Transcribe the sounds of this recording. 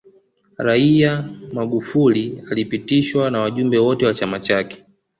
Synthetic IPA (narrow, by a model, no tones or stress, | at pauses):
ɾaiamaɡufulialipitiʃwanawaʄumbɛwɔtɛwat͡ʃamat͡ʃakɛ̥